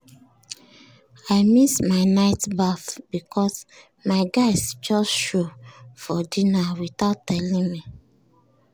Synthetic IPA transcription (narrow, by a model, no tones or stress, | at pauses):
aɪmismaɪnaɪtbaθb̥ikʰɔs | maɪɡaɪsd͡ʒɔsʃofɔdinawiθaʊtːɛlĩŋmi